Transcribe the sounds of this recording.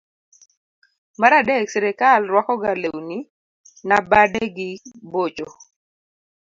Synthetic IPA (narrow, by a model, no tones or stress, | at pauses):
maɾadɛksɛɾɛkalrwakɔɡalewni | nabadeɡɪbot͡ʃo